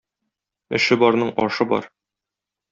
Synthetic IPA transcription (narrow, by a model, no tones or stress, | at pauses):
ɘ̆ʃɘbɒɾnɤɴʔɒ̰ʃɤbɒ̰ɾ